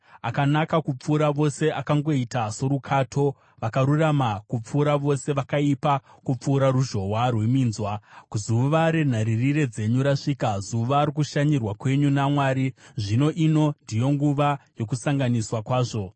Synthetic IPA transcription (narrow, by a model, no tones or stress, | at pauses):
akanakakup͡fuːɾaʋo̞se̞ʔakaŋɡo̞itaso̞ɾukʰaːtʰo̞ | ʋakaɾuramakup͡fuːɾaʋo̞se̞ʋakaipakup͡fuːɾaɾuʒo̞ɦwarwe̞miːnzwakuzuʋaɾe̞n̤aɾirire̞d͡ze̞ɲuɾaʂiːkazuʋaːɾikuʃaɲirwakwe̞ɲunamwaːɾiʐino̞ʔino̞ndijo̞ŋɡuʋajo̞kusaŋɡaniswakwaːʐo̞